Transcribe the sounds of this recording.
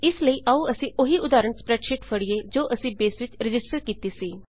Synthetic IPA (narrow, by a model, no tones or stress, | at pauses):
ɪsləiːʔaũːəsĩːʔoɦiːʔʊd̪aːɾəɳspɾɛːɖʃɪʈfʰəɽieːd͡ʒoːʔəsĩːbeːsʋɪt͡ʃɾɪd͡ʒɪsʈəɾkiːt̪iːsiː